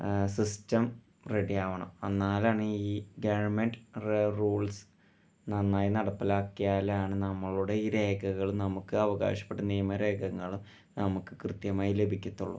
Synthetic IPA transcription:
sistɐm | reɽijaːʋɐɳɐ̰mɐnːaːlaːɳɨiːɡɐʋɐrmeɳɖreruːɭs | nɐnːaːjinɐɽɐpːilaːkːijaːlaːɳɨnɐmːɐɭuɽe̞iɾe̞ːɡɐɣɐɭumnɐmukːɨɐʋɐɣa̰ːɕɐ̥pːe̞ʈːɐniːjɐmɐɾe̞ːɡɐŋːɐɭum | nɐmukːɨkrɨt̪jɐmaːjile̞bʱikʲːut̪ːuɭːɐ̰

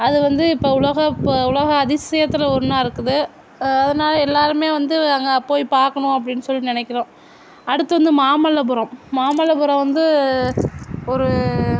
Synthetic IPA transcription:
ɐðɯʋɐnd̪ɯɪpːoːʊɭɐɣɐʊlɐɣɐːðɪsɐjɐt̪ːɪlɐɔɾɯnãːɪɾɯkːɯðɯ | ɐðɐnaːlɐɛlːaːɾɯmeːʋɐnd̪ɯɐŋɡɐpːoːjpaːɾkɐɳʊ̃ɐpːɐɽɪnːɯsɔlːinɪnɛkːɪɾõː | ɐɽɯt̪ːɐʋɐnd̪ɯmaːmɐlːɐbɯɾɐ̃mmaːmɐlːɐbɯɾɐ̃ʋɐnd̪ɯ | ɔɾɯ

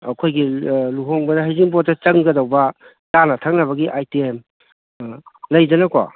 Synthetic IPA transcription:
ɐkʰojɡiluɦoŋbɐdɐɦɐjziŋbotːɐt͡ʃɐŋɡɐdɐwbɐ | tanɐtʰak̚nɐbɐɡiʔajtiem | lɐjd͡ʒɐnɐko̰

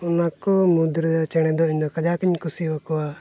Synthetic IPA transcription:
unakɔmud̪ɾd̪at͡ʃɛɽ̃ɛd̪ɔiɲd̪ɔkad͡ʒakiɲkusiwakɔwa

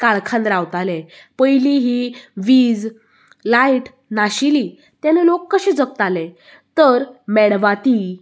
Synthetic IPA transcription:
kalkʰãnd̪ɾawt̪ale | pəjliɦiʋiːd͡z | lajʈ | naɕili | t̪janelokːəɕẽd͡zək̚t̪ale | t̪əɾmɛɽʋat̪i

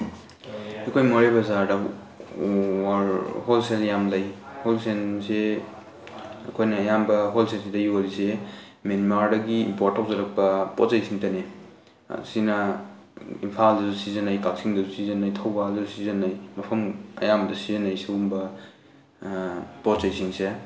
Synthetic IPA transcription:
ekʰojmoɾebɐzaɾdɐ | holseljamlajholsense | ɐkʰojnɐːjambɐɦolsensidɐjualise | menmaɾdɐɡiːmpoɾtːɔk̚zɐɾɐk̚pɐpɔt͡ʃajsiŋtɐnḛ | sinɐ | impʰaldɐzusizɐnajkak̚siŋdɐzusizɐnajtʰawbausizɐnːajmɐpʰɐmɐ̰jamdɐsizɐnːajseumbɐ | pɔt͡ʃajsiŋse

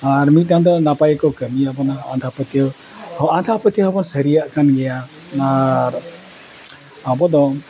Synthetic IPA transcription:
aɾmitãnd̪ɔnapajkɔwkəmiabɔnaa̰nd̪ʰʱapət̪jə | hɔand̪ʰʱapət̪əɦɔbɔnsəɾijaʔkanɡɛja | aɾ | abɔd̪ɔ

